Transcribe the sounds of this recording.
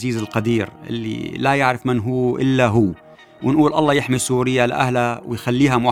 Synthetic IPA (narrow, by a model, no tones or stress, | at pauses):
ziːzɪlqɑd̪iːɾʔɪ̰lːḭlajɪʕɾɪfmɪnɦuːʔɪlːaɦʊː | wɪnʔuːlʔɑ̰lˤːɑːjɪħmisuːɾɪjːalʔa̰hlawɪjxalːiːɦama